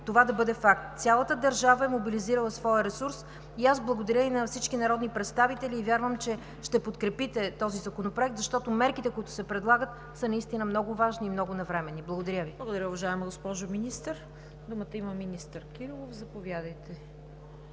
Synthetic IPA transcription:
t̪ovad̪ɐbɤd̪ɛfakt̪sʲalˠət̪əd̪ɐɾʒavəɛmobiliziɾəlˠɐsvɔjəɾɛsuɾs | iazblˠɐɡod̪ɐɾʲjəinɐfsit͡ʃkinɐɾɔd̪nipɾɛt̪st̪avit̪ɛliːvʲjaɾvəmt͡ʃɛ | ʃt̪ɛpot̪kɾɛpit̪ɛt̪ɔzizɐkonopɾoɛk̚t̪zɐʃt̪ɔt̪omɛɾkit̪ɛkʊit̪ʊ̥sɛpɾɛd̪lˠaɡət̪ | sənɐist̪inəmnɔɡʊvaʒniːmnɔɡʊnɐvɾɛmɛnːiblˠɡod̪ɐɾʲəvilˠəɡod̪ɐɾʲəʊvɐʒaɛməɡospɔʒʊminist̪əɾ | d̪umət̪əimɐminist̪əɾkiɾlˠofzɐpovjad̪əjt̪ɛ

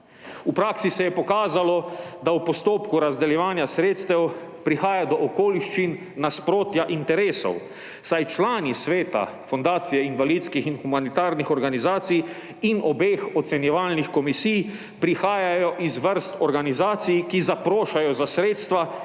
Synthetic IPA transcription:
upɾaːksisɛjɛpɔkaːzalɔd̪awpɔst̪oːpkuɾazd̪ɛljɛʋaːnjasɾeːt̪st̪ɛw | pɾixaːjad̪ɔʔɔkoːliʃt͡ʃinː | aspɾoːt̪jaʔint̪ɛɾeːsɔ̰w | sajt͡ʃlaːnisʋeːt̪a̰fɔnd̪aːt̪sijɛinʋalid̪skixinxumanit̪aːɾnixɔɾɡanizaːt̪sij | inɔbeːxɔt̪sɛnjɛʋaːlnixkɔmisij | pɾixaːjajɔʔizʋəɾst̪ɔɾɡanizaːt̪sijkizapɾoːʃajɔzasɾeːt̪st̪ʋa

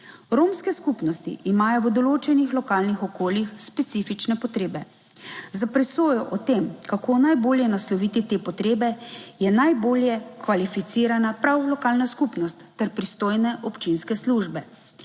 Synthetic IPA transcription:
ɾomskɛskupnɔst̪ḭʔimaːjɔwd̪ɔloːt͡ʃɛnixlɔkaːlnixɔkoːljixspɛt̪siːfit͡ʃnɛpɔt̪ɾeːbɛ | zapɾɛsoːjɔʔɔt̪emkakʰoːnajboːljɛnaslɔʋit̪it̪eːpɔt̪ɾeːbɛjɛnajboːljɛkʋalifit̪siːɾanapɾawlɔkaːlnaskupnɔst̪ːɛɾpɾist̪oːjnɛʔɔpt͡ʃinskɛsluʒbɛ

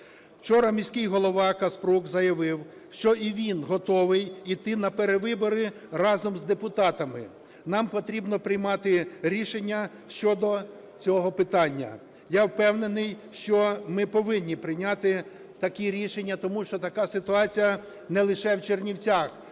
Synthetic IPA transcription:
wt͡ʃɔɾɐmʲisʲkɪjɦɔlˠɔʋɑkɐspɾukzɐjɐʋɪw | ʃt͡ʃɔʔiʋʲinɦɔt̪ɔʋɪjit̪ɪnɐpeɾeʋɪbɔɾɪ | rɑzɔmzd̪epʊt̪ɑt̪ɐmɪ | nɑmpɔt̪ɾʲibnɔpɾɪjmɑt̪ɪɾʲiʃenʲːɐ | ʃt͡ʃɔd̪ɔ | t͡sʲɔɦɔpɪt̪ɑnʲːɐ̰ | jawpɛwnenɪj | ʃt͡ʃɔmɪpɔʋɪnʲːipɾɪjnʲat̪ɪ | t̪ɐkiɾʲiʃenʲːɐt̪ɔmuʃt͡ʃɔt̪ɐkɑsɪt̪ʊɑt͡sʲijɐ | nɛlˠɪʃɛwt͡ʃernʲiwt͡sʲax

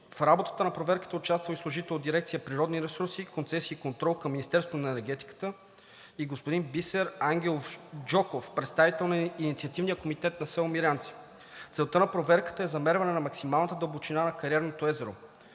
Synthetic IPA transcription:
fɾabot̪ə̥t̪ənɐpɾovɛɾkə̥t̪əʊt͡ʃast̪vəlislˠʊʒit̪ɛlˠod̪iɾɛkt̪sijəpɾiɾɔd̪niɾɛsuɾsikont̪sɛsiːkont̪ɾɔlˠkɐmːinist̪ɛɾst̪vonɐɛnɛɾɡɛt̪i̥kə̥t̪ə | iɡospod̪inbisɛɾaŋɡ̟ʲɛlˠofd͡ʒɔkofpɾɛt̪st̪avit̪ɛlˠninit̪siɐt̪ivnijəkomit̪ɛt̪nɐsɛlˠmiɾʲant̪si̥ | t̪sɛlˠt̪ənɐpɾovɛɾkə̥t̪əɛzɐmɛɾvɐnɛnɐmɐksimalˠnət̪əd̪əlˠbot͡ʃinanɐkɐɾiɛɾnot̪oɛzɛɾo̰

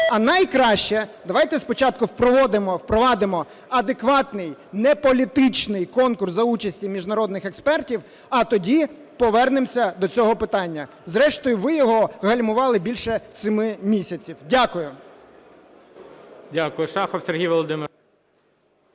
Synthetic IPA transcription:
ɐnɐjkɾɑʃt͡ʃɛd̪ɐʋɑjt̪ɛspɔt͡ʃɑt̪̚kʊwpɾɔʋɔd̪ɪmɔwpɾɔʋɑd̪ɪmɔ | ɐd̪ekʋɑt̪nɪjnɛpɔlʲit̪ɪt͡ʃnɪjkɔnkʊrsɐut͡ʃɐsʲtʲimʲiʒnɐɾɔd̪nɪxɛkspɛrtʲiw | ɐt̪ɔdʲi | pɔʋɛrnɪmsʲɐd̪ɔt͡sʲɔɦɔpɪt̪ɑnʲːɐ | zɾɛʃt̪ɔjʊʋɪjɔɦɔɣɐlʲmʊʋɑlˠɪbʲilʲʃɛsɪmɪmʲisʲɐt͡sʲiwdʲakʊjʊ | dʲakʊjʊʃɑxɔwsʲerɦʲijʋɔlˠɔd̪ɪmɪɾ

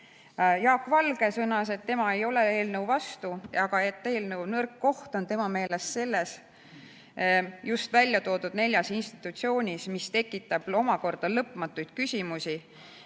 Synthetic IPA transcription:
jɑːkːˑvɑlɡ̥e̞sɤnɑse̞t̪ːe̞mɑe̞jo̞le̞e̞ːlnəwvɑst̪uɑɡ̥ɑet̪ːe̞ːlnəwnɤrkːo̞ht̪o̞nt̪e̞mɑme̞ːle̞sse̞lːe̞s | just̪vælʲːjɑt̪o̞ːd̪ud̪ne̞lʲjɑsinst̪i̥t̪ːˑut̪sio̞ːnʲismist̪e̞kːˑit̪ːˑɑb̥o̞mɑko̞rd̪̥ɑlɤpmɑt̪ːˑujd̪̥kysʲimusi

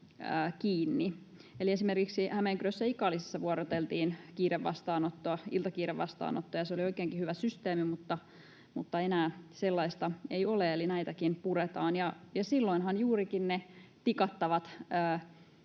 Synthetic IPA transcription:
əkiːnːi | elie̞simerkiksihæmeŋkyrøsːæikɑːlːise̥sːɑʋuoɾot̪elt̪iːnkiːɾeʋːɑ̰st̪ɑːnot̪ːoɑḭlt̪ɑkiːɾeʋʋɑ̰st̪ɑ̰ːno̰t̪ːoɑjɑseolioikeːŋkihyʋæsyst̪eːmimut̪ːɑ | mut̪ːɑenæːselːɑist̪ɑejoleelinæit̪ækinpuret̪ɑːnjɑjɑsilːoinɦɑnjuːɾikinnet̪ikɑt̪ːɑʋɑt̪əː

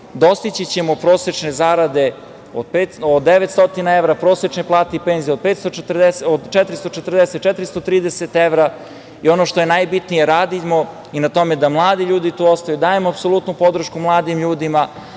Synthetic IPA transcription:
d̪o̞st̪it͡ɕit͡ɕemopɾo̞ːset͡ʂnezaːɾad̪e̞ | od̪̚pet̪od̪d̪ːeʋet̪st̪o̞t̪inaeʋɾapɾo̞ːset͡ʃneplˠaːt̪eipeːnzijeo̞d̪̚pet̪st̪oet̪rd̪esod̪t͡ʃɛt̪ɾist̪ot͡ʃet̪rd̪eset̪̚t͡ʃɛt̪ɾist̪o̞t̪ɾiːd̪eset̪eʋɾa | io̞noʃt̪o̞je̞najbit̪nije̞ɾaːd̪imo̞ | inat̪o̞med̪amlˠaːd̪iʎuːd̪it̪uːost̪ajud̪aːemoapsolˠut̪nupo̞d̪ɾ̩ʃkumlˠaːd̪imʎuːd̪ima

